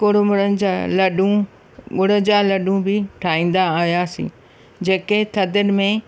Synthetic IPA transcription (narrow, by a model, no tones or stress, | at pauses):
kʊɽmʊɾənɪ̆d͡ʑalɐɗũ | ɠʊɽə̆d͡ʑalɐɗũbɪʈʰaːĩːn̆d̪aːɦijasḭ̃ː | d͡ʑeːket̪ʰɐd̪ənɪ̆mẽ